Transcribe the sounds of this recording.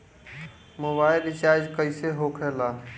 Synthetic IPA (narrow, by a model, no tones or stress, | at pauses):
mobaːɪlɪt͡ʃaːɾd͡ʒkəɪseɦokʰeːlaː